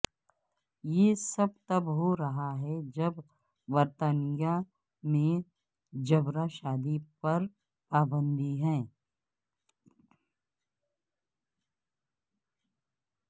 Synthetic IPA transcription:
jeːsɐb̚t̪ɐbɦoɾɐɦaɦɛd͡ʒɐb | ʋɐɾt̪anɪja | mẽ | d͡ʒɐbɾaʃaːd̪ipɐɾ | paːbə̃nd̪iɦɛ̃ː

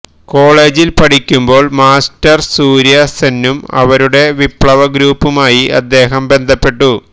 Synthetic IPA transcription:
ko̞ːɭeːd͡ʑilpɐʈʰikʲːumbo̞ːɭmaːstɐrsuːɾjɐsenːumɐ̰ʋɐɾuɽe̞ʋipɭɐʋɐɡɾuːpːumaːjiɐ̰d̪ːe̞ːɦɐmbe̞nd̪ʱɐpːe̞ʈːu

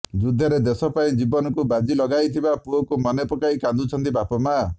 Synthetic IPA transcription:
d͡ʒud̪ʱːɔɾed̪esɔpaĩd͡ʒibɔnɔkubad͡ʒilɔɡajt̪ʰibapuɔkumɔnepɔkaikand̪ut͡ʃʰɔnt̪ibapɔma

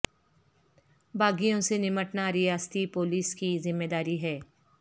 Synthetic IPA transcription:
bʱaːɡijõsenɪməʈnaɾɪjaːst̪ipoːliːskizɪmːeːd̪aːɾiɦɛː

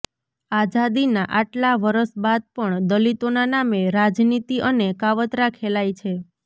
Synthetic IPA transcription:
ad͡ʒad̪inaʔaʈlaʋəɾəʃbad̪̚pəɳd̪əlit̪onanameɾad͡ʒnit̪iʔənekaʋət̪ɾakʰelajt͡ʃʰe

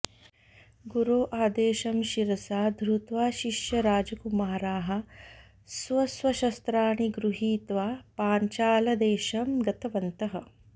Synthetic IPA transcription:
ɡuɾoːʔaːd̪eːʃɐmʃiɾɐsaːd̪ʱɾut̪ʋaːʃiʃjɐɾaːd͡ʒɐkumaːɾaːɦɐ̆ | sʋɐsʋɐʃɐst̪ɾaːɳiɡɾuɦiːt̪ʋaːpaːɲt͡ʃaːlɐd̪eːʃɐmɡɐt̪ɐʋɐnt̪ɐɦɐ

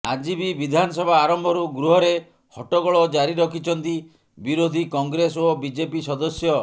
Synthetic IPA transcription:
ad͡ʒibibid̪ʱanɔsɔbʱaːɾɔmbʱɔɾuɡɾuɦɔɾe | hɔʈɔɡɔɭɔd͡ʒaɾiɾɔkʰit͡ʃʰɔnt̪i | biɾod̪ʱikɔŋɡɾesobid͡ʒepisɔd̪ɔsjɔ

